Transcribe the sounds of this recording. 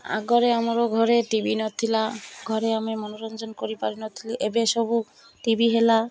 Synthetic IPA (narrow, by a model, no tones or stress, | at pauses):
a̰ɡɔɾeamɔɾoɡʱɔɾeʈibinɔt̪ʰilaɡʱɔɾeamemɔnɔɾɔnd͡ʒɔnkoɾipaɾinɔt̪ʰiliʔebesɔbu | ʈibiɦela